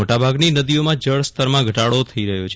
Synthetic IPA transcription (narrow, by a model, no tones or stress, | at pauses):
oʈabʱaɡninəd̪iomãd͡ʒəɭst̪əɾmãɡʱəʈaɽot̪ʰəiɾəɦjot͡ʃʰ